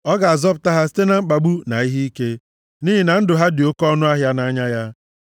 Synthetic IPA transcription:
ɔ˦ɡa˨a˨zɔ˦p̬ʊ˨ta˦ɦa˦s̬i̥˦te˦na˨ŋ͡m̩˦k͡pa˨ɡ͡bu˦na̰˨i˦ɦi˦i˦ke˦ | niː˦ɦi˨na˨n̩˦dʊ˨ɦa˦dɪ˨o˦kɔ˦nʊ˦a˦ɦja˦na˨˦ɲa˦ja˦

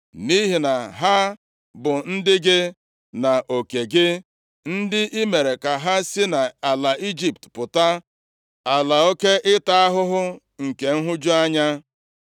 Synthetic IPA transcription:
ni˦ɦi˨na˨ɦa˦ | bʊ˨n̩˦dɪ˦ɡɪ˦ | na˨ʔo˨ke˨ɡɪ˦ | n̩˦dɪ˦ʔi˦me˨ɾe˨ka˨ɦa˦si˦na˨a˨la˨i˦d͡ʒi˨p̚tpʊ˨ta˦ | a˨la˨o˦ke˦ʔɪ˦ta˦a˦ɦʊ˦ɦʊ˦ | ŋ̩˨ke˨ŋ̩˦ɦʊ˦d͡ʒu˦a˦ɲa˦

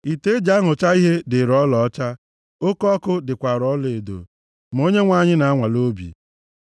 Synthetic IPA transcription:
i˨te˦d͡ʒa˦ɦʊ˨t͡ʃa˦i˦ɦe˦dɪ˨ɾɔ˦lɔ˨ɔ˦t͡ʃa˦ | o˦kɔ˦kʊ˦dɪ˨kʷa˨ɾɔ˦le˨do̰˨ | m̩˨o˦ɲe˦ŋʷa˨ɲɪ˦na˨a˦ŋʷa˨lo˦bḭ˨

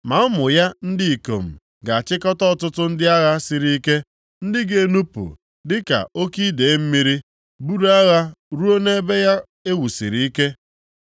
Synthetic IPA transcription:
ma˨˦mʊ˨ja˦n̩˦dɪ˦i˨ko̰˨m̩˨ | ɡa˨a˨t͡ʃɪ˦kɔ˦tɔ˦ɔ˨tʊ˦tʊ˦n̩˦dɪ˦a˦ɣa˦sɪ˨ɾi˦i˦ke˦ | n̩˦dɪ˦ɡe˨nu˦pṵ˨ | dɪ˦ka̰˨o˦ki˦de˨˦m̩˦mi˦ɾi˦ | bu˦ɾa˦ɣa˦ɾu˦o˦ne˦e˦be˦ja˦ | e˦wu˨sḭ˨ɾi˨i˦ke˦

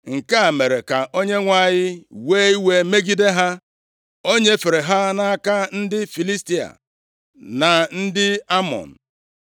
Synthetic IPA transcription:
ŋ̩˨ka˦a˨me˨ɾe˨ka˨ʔo˦ɲe˦ŋʷa˦˨ɲɪ˦weː˦i˦we˦me˦ɡi˦de˦ɦa˦ | o˦ɲe˦fe˨ɾe˨ɦa˦na˦a˦ka˦n̩˦dɪ˦fi˨li˦sti˦a̰˨ | na˨n̩˦dɪ˦a˦mɔ̰˨n̩˨

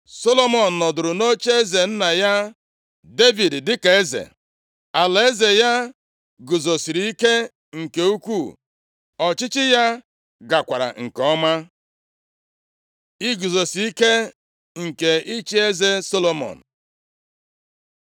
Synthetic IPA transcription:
so˦lo˦mɔ˨n̩˨nɔ˨dʊ˨ɾʊ˨no˦t͡ʃe˦e˦ze˨n̩˦na˨ja˦ | de˦vi˨ddɪ˦ka˨e˦zḛ˨ | a˨la˨e˦ze˨ja˦ | ɡʊ˨zo˨si˨ɾi˨i˦ke˦ | ŋ̩˨ke˨u˦kʷu˦˨ | ɔ˨t͡ʃɪ˦t͡ʃɪ˦ja˦ | ɡa˨kʷa˨ɾa̰˨ŋ̩˨kɔ˦ma˦ | ɪ˦ɡʊ˨zo˨si˨i˦ke˦ | ŋ̩˨ke˨i˦t͡ʃi˦e˦ze˦so˦lo˦mɔ̰˨n̩˨

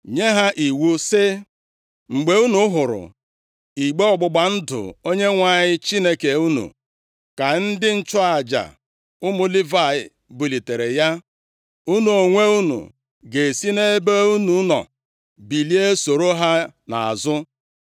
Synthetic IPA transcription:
ɲe˦ɦa˦ʔi˨wu˦sɪ˦ | ŋ͡m̩˨ɡ͡be˨u˦nu˦ɦʊ˨ɾʊ̰˨ | i˨ɡ͡be˦ɔ˨ɡ͡bʊ˨ɡ͡ba˨n̩˦dʊ̰˨o˦ɲe˦ŋʷa˦˨ɲɪ˦t͡ʃi˦ne˦ke˨u˦nṵ˨ | ka˨n̩˦dɪ˦n̩˦t͡ʃɔ˦a˨d͡ʒa̰˨ | ʊ˦mʊ˦li˦va˦˨ɪ˨ | bu˨li˨te˨ɾe˨ja˦ | u˦nu˨o˨ŋʷe˦u˦nṵ˨ | ɡe˨si˦ne˦be˦u˦nu˨˦nɔ̰˨ | bi˨li˦e˦so˨ɾo˦ɦa˦na̰˨a̰˨zʊ˦

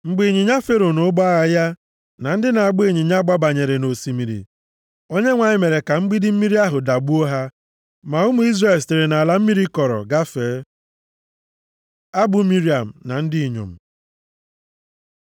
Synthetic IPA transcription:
ŋ͡m̩˨ɡ͡bi˨ɲi˨ɲa˦fe˦ɾo˨no˦ba˦ɣa˦ja˦ | na˨n̩˦dɪ˦na˨a˨ɡ͡be˦˨ɲi˨ɲa˦ɡ͡ba˦ba˨ɲe˨ɾe˨no˨si˨mi˨ɾḭ˨ | o˦ɲe˦ŋʷa˨ɲɪ˦me˨ɾe˨ka˨m̩˦ɡ͡bi˦dɪ˦m̩˦mi˦ɾi˦a˦ɦʊ˨da˨bu˦o˦ɦa˦ | ma˨ʊ˦mu˦i˦zra˦˨e˨lste˨ɾe˨na˨a˨la˨m̩˦mi˦ɾi˦kɔ˨ɾɔ̰˨ɡa˦feː˨˦ | a˦bʊ˨mi˦ɾi˦a˨m̩˨na˨n̩˦dɪ˦i˨ɲo̰˨m̩˨

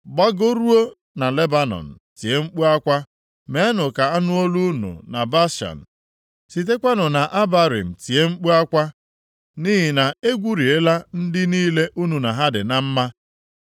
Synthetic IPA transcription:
ɡ͡ba˦ɡo˦ɾu˦o˦ | na˨le˦ba˦nɔ̰˨n̩˨ti˨e˦ŋ͡m̩˦k͡pu˦a˦kʷa˦ | me˨˦a˦nʊ˨ka˨a˦nʊ˦o˦lu˦nṵ˨na˨ba˦ʃa̰˨n̩˨ | si˨t̬e˦kʷa˦nʊ˨na˨ʔa˦ba˦ɾḭ˨m̩˨ti˨e˦ŋ͡m̩˦k͡pu˦a˦kʷa˦ | niː˦ɦɪ˨na˨e˦ɡʷu˦ɾi˨e˦la˦n̩˦dɪ˦niː˦le˦ʔu˦nu˨na˨ɦa˦dɪ̰˨na˨m̩˦ma˦

